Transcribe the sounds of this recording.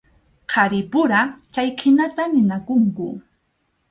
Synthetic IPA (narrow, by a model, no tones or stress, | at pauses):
qʰɑɾɪpʊɾat͡ʃajkʰɪnat̪anɪnakʊŋkʊ